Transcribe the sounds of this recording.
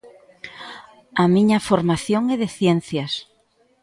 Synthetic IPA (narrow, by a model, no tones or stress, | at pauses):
ɐmĩɲɐfoɾmaθjoŋɛðɪθjɛn̟θjɐs